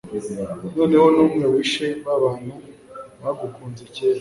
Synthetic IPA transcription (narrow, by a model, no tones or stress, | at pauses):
no̞ːne̞ho̞nuːmŋewiʃeβaβaːn̥huβaaɡukuːnzeceːɾa